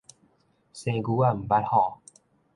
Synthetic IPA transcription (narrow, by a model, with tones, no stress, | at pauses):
sẽ˧ɡu˧˦a˧˨m̩˨ba˦˥thɔ˨˩